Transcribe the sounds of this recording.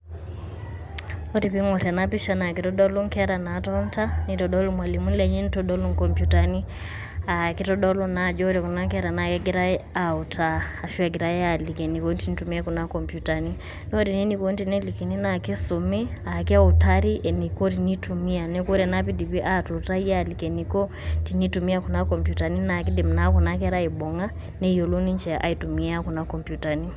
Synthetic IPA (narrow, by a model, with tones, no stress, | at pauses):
ɔ˦ɾi˨pi˦ŋɔ˨ɾa˨na˦pi˦ʃa˨na˨ki˨tɔɗɔ˦lu˦ŋ˦kɛ˦ɾa˨na˨tɔ˦nta˦ni˨tɔ˨ɗɔ˦lu˦mwa˨li˨mu˦n˦lɛ˨ɲi˦n˦tɔɗɔ˦lu˦ŋkɔ˨mpjutani˦ | a˨ki˦tɔ˦ɗɔ˦lɔ˦na˨d͡ʒɔ˦ɾiku˨na˦ŋkɛɾa˨na˨kɛ˦ɡi˦ɾa˦ɛ˦a˨u˨tʰaː˨ʃua˨ɡi˨ɾa˦ɛ˦ali˨kɛ˨ni˨konti˦ni˦tumi˦a˦ku˨nakɔ˨mpjuta˨ni˦ | nɔ˦ɾi˨ni˦ni˦ko˦n˦ti˨nɛ˦li˨kɛ˨ni˦na˨ki˦su˨me˦a˨ki˦a˦u˨ta˦ɾi˦ʔɛ˨ni˨kɔ˦ɾi˨ni˦tu˨mi˦a˨nɛ˦ko˦ɾɛ˨na˦pi˦di˨pi˦ʔa˦tu˨ta˦i˦a˦li˨kɛ˨nikɔ˦ | ti˨ni˦tu˨mi˦a˦ku˨na˦kɔ˨mpju˨ta˨ni˦na˨k̬i˦di˨m̩˨na˨˦ku˨na˦k̬ɛ˦ɾa˦i˨bɔ˨ŋa˦ | nɛ˦o˨lo˦ni˦ɲt͡ʃɛ˨ʔa̰˨i˨tu˨mi˦a˦ku˨na˦kɔ˨mpju˨ta˨ni˦